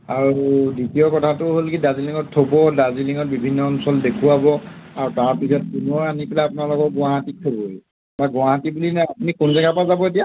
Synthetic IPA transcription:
aɹuditijɔkɔtʰatʊɦolkidaziliŋɔtʰːobɔdaziliŋɔt̚bibʱinːɔːnsɔldekʰuabɔaɹutaɹpizat̚punɔɹanipɛlaapʊnalɔkɔɡʊaɦatik̚tʰobɔej | baɡʊaɦatibulinaapnikonzɛkapazabɔet̬ija

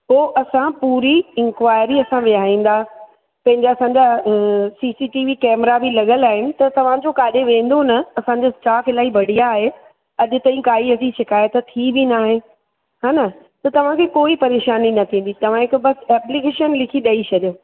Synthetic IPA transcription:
poːʔɐsãpuːɾiɪ̃ŋkʋaːɪɾiɐsãʋɪjaːĩːn̆d̪a | pɐ̃ɦɪ̃ɲd͡ʑeɐsãɲd͡ʑaːsiːsiʈiːʋikɛːmɾabilɐɠəlaːɦɪnɪ̆t̪ɐt̪ɐʋ̤ãd͡ʑokaːɗeʋẽːn̆d̪onɐɐsãɲd͡ʑaɪsʈaːfɪlaːibɐɽ̤ijaːɦe | ɐʄʊ̆t̪ɐ̃ĩkaːiɐsiʃɪkaːjət̪t̪ʰːibinaːɦẽ | ɦaːnɐ | t̪ɐt̪ɐʋ̤ãkʰeːkoːipɐɾeːʃaːninɐt̪ʰĩːn̆d̪it̪ɐʋ̤ãɦɪkbɐsɛːplɪkeːʃənlɪkʰiɗɐit͡ɕʰɐɗijoː

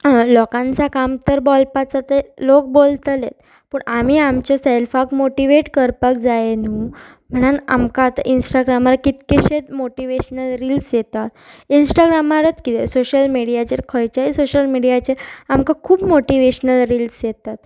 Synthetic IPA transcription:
lɔkãnt͡sakamt̪əɾbɔlpat͡sat̪elok̚bolt̪lḛt̪̚ | pəɳʔamiːamt͡ɕaselfakmoʈiʋeʈkəɾpək̚d͡zaenuː | m̤əɽ̃ana̰mkaːt̪a̰ʔinsʈaɡɾamaɾakit̪keɕet̪moʈiʋeɕnəlɾilsjet̪at̪insʈaɡɾamaɾət̪kit̪esoɕəlmiɽijat͡ɕeɾkʰəjt͡ɕaisoɕəlmiɽijat͡ɕeɾamkakʰuːbmoʈiʋeɕnəlɾiːlsjet̪at̪

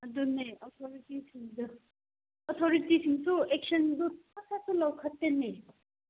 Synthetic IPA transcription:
ɐduneɔt̪ʰɔɾitisʰiŋdɯ | ɔt̪ʰɔɾitisʰiŋsuek̚sɐnduasatulawkʰɐtːene

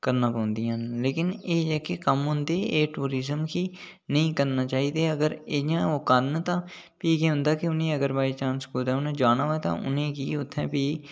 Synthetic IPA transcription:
kəɾnãːpaːʊnd̪iãɦənleːkɪneːd͡ʒɛːkekəmɦʊ̃nd̪eːeːʈuːɾiːzəmkiː | nəĩːkəɾnaːt͡ʃaːiːd̪eːəɡəɾɪãːoːkənt̪ãː | piːɡeːɦʊ̃nd̪aːkɪʊnẽːəɡəɾbaːit͡ʃãːnskuːd̪ɛ̃ːʊnẽːd͡ʒaːnaːɦoːeːt̪ã̰ːʔʊ̰nẽːkiːʊt̪ʰːɛ̃ːpiː

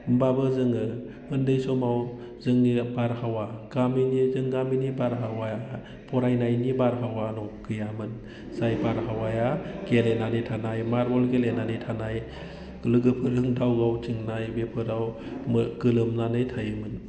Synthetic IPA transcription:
mbabɯzɯŋɯ | ɯndɯjsɔmaw | zɯŋnibaɾhawaɡ̥aminizɯŋɡaminibaɾɦawaja | pʰɔɾajnajnibaɾɦawanɔkʰɯjamɯn | z̥ajbaɾɦawajaɡ̥elenanɯjtʰanajmaɾbɔlɡelenanɯjtʰanaj | lɯɡɯpʰɯɾhɯŋdawɡawtiŋnajbepʰɯɾawmɡɯlɯmnanɯjtʰajɯmɯn

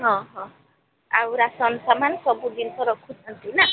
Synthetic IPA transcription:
ɦɔ̃ɦɔ̃ | awɾasʌnsamansʌbud̪insɔɾɔkʰud͡zʌnt̪ina

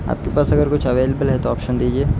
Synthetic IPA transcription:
a̰ːp̚kepaːsɐɡəɾkʊt͡ʃʰɐʋeːlebəlɦɛt̪oɔːpʃənd̪iːd͡ʒieː

